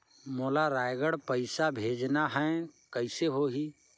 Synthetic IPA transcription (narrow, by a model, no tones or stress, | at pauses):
moːlaɾaːjɡəɽpəɪsabʱeːd͡ʒnaɦɛ̃kəɪseɦoɦi